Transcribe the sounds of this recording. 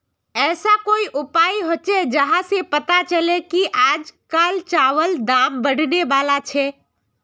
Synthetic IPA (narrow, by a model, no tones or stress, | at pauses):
ɛːsakoːiʔʊpaːiɦot͡ʃed͡ʒəɦãsepət̪at͡ʃəlekiʔaːd͡ʒkalt͡ʃaːʋəld̪aːmbəɽ̤neʋaːlat͡ʃʰɛ